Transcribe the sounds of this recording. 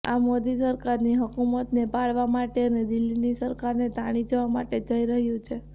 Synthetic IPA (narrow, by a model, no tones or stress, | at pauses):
a̰mod̪isəɾkaɾniɦəkumət̪nepaɭʋamaʈeəned̪ɪlːinisəɾkaɾnet̪aɽ̃id͡ʒəʋama̰ʈed͡ʒəiɾəɦjũt͡ʃʰe